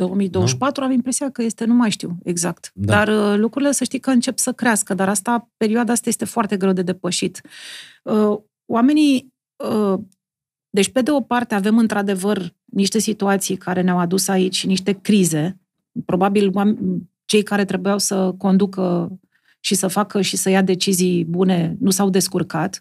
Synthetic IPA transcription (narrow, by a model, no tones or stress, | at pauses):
d̪o̞wəmijd̪owəʃpat̪ɾuamimpɾe̞siakəje̞st̪e̞numajʃt̪iwe̞̰ɡzak̚t̪d̪arlukɾuɾile̞səʃt̪ijkəɨnt͡ʃe̞psəkɾeaskəd̪aɾast̪ape̞ɾioad̪aast̪aje̞st̪e̞foart̪e̞ɡɾe̞wd̪e̞d̪e̞pəʃit̪ | ə | wame̞ni | ə | d̪e̞t͡ʃʲpe̞d̪e̞o̞part̪e̞ave̞mɨnt̪ɾad̪e̞vər | niʃt̪e̞sit̪uat̪sijkaɾe̞neawad̪usait͡ʃʲʃiniʃt̪e̞kɾize̞ | pɾo̞babilwam | t͡ʃe̞jkaɾe̞t̪ɾe̞bujawsəko̞nd̪ukə | ʃisəfakəʃisəjad̪e̞t͡ʃizijbune̞nusawd̪e̞skurkat̪